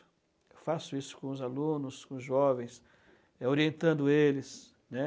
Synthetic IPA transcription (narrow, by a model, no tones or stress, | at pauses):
ʊ̥ | ewfasʊisʊ̥kõʊzalũnʊskõzʒɔvẽj̃s | ɛoɾiẽnt̪ɐ̃nd̪ʊelɪs | nɛ